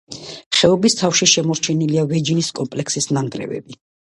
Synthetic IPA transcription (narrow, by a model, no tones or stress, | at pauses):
χɛɔbist̪ʰafʃiʃɛmɔɾt͡ʃʰɛniliavɛd͡ʒiniskʼɔmpʼlɛkʰsisnaŋɡɾɛ̰vɛ̰bi